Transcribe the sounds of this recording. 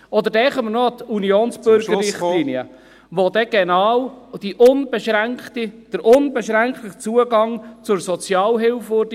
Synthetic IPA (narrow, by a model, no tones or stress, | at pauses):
ɔd̪əɾdɛχəməɾnɔɑt̪unioːnsb̥ɵɾɡəɾɪχliniə | ʋod̪ɛɡ̥enɑːwd̪̥iʔʊnbeʃɾæŋkχt̪id̥əɾʔʊnbɛʃɾæŋkχtəχt͡suəɡɑŋt͡sʊɾsɔt͡sjɑːlɦɪlfʊɾd̥ə